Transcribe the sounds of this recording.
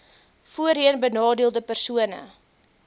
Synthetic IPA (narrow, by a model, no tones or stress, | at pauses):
fuəɾiənbənɑːdiəlˠdəpərsuənə̰